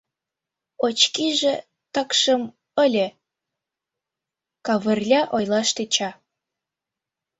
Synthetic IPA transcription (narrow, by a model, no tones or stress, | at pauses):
ot͡ɕkiʒe | t̪əkʃə̆m | əlʲe | kɑβə̆rlʲɑʔojlɑʃt̪et͡ɕɑ